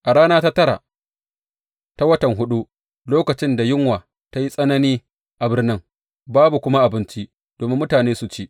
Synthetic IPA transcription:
ʔa˨ɽaː˦naː˦ta˦tɐ˦ɾa̰˨ | ta˦wɐ˦tɐ˨ŋɦʊ˦ɗu˦ | loː˦kɐ˨t͡ʃɪ˦nda˨jɪ˦ŋwaː˨ | ta˦ji˦sʼɐ˦nɐ˦niː˦ | ʔa˨bɪ˦rnɪ˦ŋ | baː˦bu˨kʷʊ˦ma˦ʔa˨bɪ˦nt͡ʃi˦ʔ | d̥oː˨mɪ˦mːʊ˦taː˨neː˦su˨t͡ʃeː˦

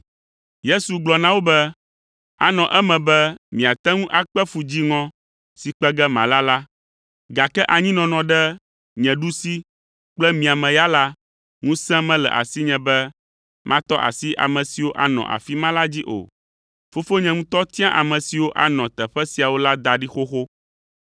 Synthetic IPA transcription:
je˦su˨ɡ͡blɔ˨nã˦wo˦bɛ˦ | a̰˦nɔ̃˨ʔɛ˦mɛ̃˨bɛ˦mĩ˨a˨t̪ɛ˦ŋũ˦ʔa˨k͡pɛ˦fu˨d͡ʑi˦ŋɔ̃˦ | si˨k͡pɛ˦ɡɛ˦mã̰˨la˦la˦ | ɡa˨kɛ˦ʔa˨ɲĩ˦nɔ̃˨nɔ̃˨ɖɛ˦ | ɲɛ̃˨ɖu˦si˦ | k͡plɛ˦mĩ˨a˨mɛ̃˨ja˦la˦ | ŋũ˦sɛ̃˦mɛ̃˦lɛ̰˨ʔa̰˨si˦ɲɛ̃˨bɛ˦ | mʔã̰˦t̪ɔ˦ʔa̰˨si˦ʔa̰˨mɛ̃˨si˨wo˦ʔa̰˦nɔ̰̃˨ʔa̰˨fi˦mã˦la˦d͡ʑi˦ʔo̰˨ | fo˦fo˦ɲɛ̃˨ŋũ˦t̪ɔ˦t̪ĩ˦ã˦ʔa˨mɛ̃˨si˨wo˦ʔa̰˦nɔ̃˨t̪ɛ˨ɸɛ˦si˨a˨wo˦la˦d̪a˨ɖi˦xo˦xo˦

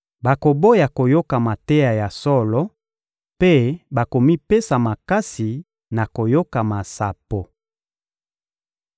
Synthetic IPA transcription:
ba˨ko˨bo˦ja˨ko˨jo˦ka˨ma˨te˦ja˨ja˨sɔ˦lɔ˦ | pe˦ba˨ko˨mi˦pe˦sa˨ma˨ka˦si˨ | na˨ko˨jo˦ka˨ma˨sa˨po˨

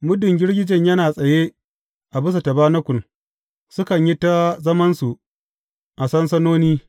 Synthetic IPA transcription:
mʊ˦dʊ˨ŋɡʲɪ˦ɽɡʲɪ˦d͡ʒɪ˨ɲjɐ˦naː˨sʼɐ˨je˦ | ʔa˨bʊ˦s̬a˨tɐ˨baː˦nɐ˦kʷʊ˨n | sʊ˦kɐ˨ɲji˦ta˦zɐ˦mɐ˦nsu˨ | ʔa˨sɐ˦nsɐ˦noː˦niː˦

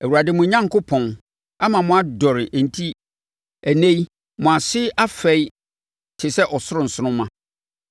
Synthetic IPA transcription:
æ˨wu˨ɾa˨dɪ˨˦mʊ̃˨ɲã˦ŋkʰo˦pʰɔ̃˨n | a˦mã˨mʊ̃˨˦a˨dɔ˨ɾɪ˨ʔn̩˨tʰi˦ | æ˨nẽ˦i˦ | mʊ̃˨a˨sɪ˦ʔa˦fɛ˦j | tʰɪ˨sɛ˦ʔɔ˨sʊ˦ɾʊ̃˨n̩˨sʊ˦nʊ̃˦mã˦

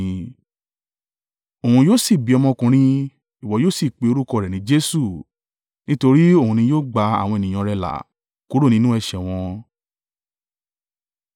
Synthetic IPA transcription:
o˨hũ˧joː˦˨si˦˨bi˨˦ɔ˧mɔ̃˧kũ˧ɾ̃ĩ˧ | i˨wɔ˨˦joː˦si˦˨k͡pe˨˦o˧ɾu˦kɔ˧˨ɾɛ˨nĩ˨˦d͡ʒe˦su˦˨ | nĩ˦to˧ɾi˦o˦˨hũ˧nĩ˧joː˦ɡ͡ba˧a̰˨w̃ɔ̃˧e˨nĩ˨ɔ̃˧ɾɛ˧˨la̰˨ | ku˨˦ɾo˦˨nĩ˧˦nũ˦ɛ˦˨ʃɛ˨w̃ɔ̃˧

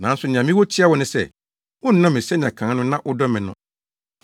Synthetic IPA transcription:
nã˨˦sʊ˨ñ˨ã˨mĩ˦wɔ˦t͡ɕʰɪ˦a˦wɔ˨nʊ̃˦sɛ̰˦˨ | wʊ̃˦n̩˨˦nã˦mɪ̃˨sɛ˦nɪ̃˨ã˨kʰãː˨˦nʊ̃˦nã˦ʔʊ˦dɔ˦mɪ̃˨nʊ̰̃˨

